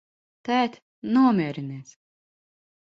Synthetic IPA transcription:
t̪æːt̪ʲ | nuɔmʲiɛɛɾinɛːs

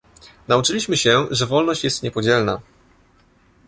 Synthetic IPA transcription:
naut͡ʂɘlʲiɕmɘɕɛʐɛvɔlnɔɕt͡ɕjɛst̪ɲɛpɔd͡ʑɛlna

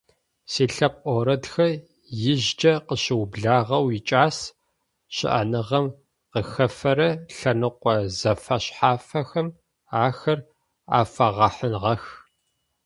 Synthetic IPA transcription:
siːɬɐp̚ʼʔʼɔɾɐdxɐ | jɪʑd͡ʒɐqəɕɪwbɮaːʁɐwɪt͡ʃʼaːs | ɕɪ̰ʔɐ̰nɨʁɐm | qəxɐfɐɾɐɬɐnɨqʷɔzɐfɐɕħaːfɐxɐm | aːxɐr | a̰ːfɐʁɐħənʁɐx

